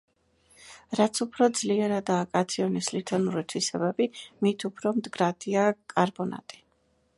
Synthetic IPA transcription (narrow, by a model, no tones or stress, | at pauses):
ɾat̪sʰupʰɾɔd̪zliɛɾad̪aːkʼat̪sʰiɔnislit̪ʰɔnuɾit̪ʰwisɛbɛbimit̪ʰupʰɾɔmd̪ɡɾad̪iakʼaɾbɔna̰t̪ʼi̥